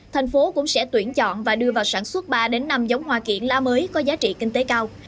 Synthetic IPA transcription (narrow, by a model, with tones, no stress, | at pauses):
t̪ʰɛ˨˩jŋ̟fo˨˦kʊ̰˧˥ŋ͡msɛ̰˧˥t̪wi˧˩ənt͡ɕɔ̰˧˨nvaː˨˩ɗɨ˧əvaː˨˩wsaː˧˩nswə˦˥t̚ɓaː˧ɗe˨˦nːa˧mzə˨˦wŋ͡mhwaː˧˩kḭ˧˨ənlaː˧məː˨˦jkɔ˨˦zaː˨˦t͡ɕḭ˧˨kï˧ŋ̟t̪e˨˦kaː˧w